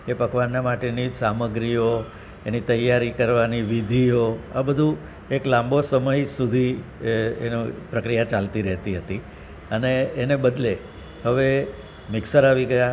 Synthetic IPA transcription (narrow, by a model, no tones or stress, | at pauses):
epəkʋanːamaʈenisaməɡɾio | enit̪əjːaɾikəɾʋaniʋid̪ʱioa̰bəd̪ʱu | eklãmbosəməjsud̪ʱi | ḛnipɾəkɾijat͡ʃalt̪iɾɛɦt̪iɦət̪i | əneːnebəd̪le | ɦəʋe | mɪksəɾaʋiɡəja